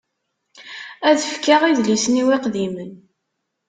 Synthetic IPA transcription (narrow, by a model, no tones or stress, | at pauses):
æðəfkaʁiðlisniwiqðimən